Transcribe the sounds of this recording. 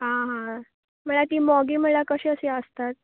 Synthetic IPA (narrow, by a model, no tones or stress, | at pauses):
ɦãɦã | m̤əɭat̪iːmɔɡiːm̤əɭakəɕiːəsiəst̪at̪̚